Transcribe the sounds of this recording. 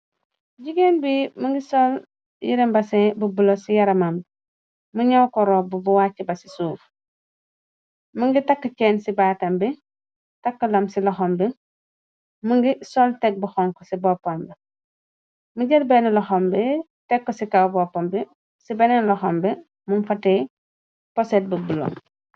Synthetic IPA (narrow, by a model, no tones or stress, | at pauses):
ɟiɡenbiːmuŋɡisol | jḭɾembasẽbubulosijɐɾɐmamb | muɲawkɔɾoːbubuwaːt͡ʃːibɐsi̥suːf | muŋɡitakːət͡ʃeːnsibaːtɐmbi | takːɐlɐmsilɔxombi | muŋɡisɔltek̚buxɔŋkɔsibɔpːombi | muɟɐlbenlɔxɔmbi | tɛkːosikawbɔpːombi | sibenɛnlɔxɔmbɛ | mumfate | pɔset̚bubulo̰